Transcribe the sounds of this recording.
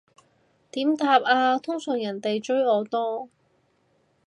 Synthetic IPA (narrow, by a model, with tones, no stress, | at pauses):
t̪iː˨˥mt̪aː˧p̚aː˧t̪ʰʊ˥ŋsœː˨˩ŋjɐ˨˩nt̪e˨jt͡ʃɵ˥ɥɔː˨˧t̪ɔː˥